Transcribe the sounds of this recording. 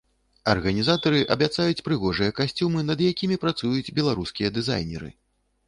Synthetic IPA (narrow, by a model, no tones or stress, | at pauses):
ɐ̰rɣɐnʲizat̪ɐɾɨʔɐbʲat̪sajut͡sʲpɾɨɣɔʐɨjɐkasʲt͡sʲumɨnɐd̪jakʲimʲipɾat̪sujud͡zʲbʲɛlˠaɾuskʲijɐd̪ɨza̰jnʲɛ̰ɾɨ̰